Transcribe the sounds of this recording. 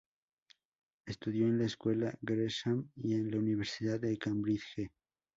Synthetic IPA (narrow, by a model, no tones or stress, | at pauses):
est̪uðjo̞enlaeskwe̞laɡɾeʃamie̞nlauniβ̞eɾsiðaðːekambɾiθxe